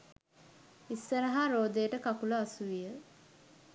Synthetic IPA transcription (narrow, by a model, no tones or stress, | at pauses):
isːəɾɐɦaɾoːd̪ejəʈəkakuləasuʋijə